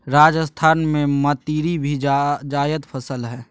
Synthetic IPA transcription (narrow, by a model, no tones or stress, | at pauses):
ɾaːd͡ʒəst̪ʰaːnmẽmət̪iːɾibʱid͡ʒaːjət̪pʰəsəlɦɛː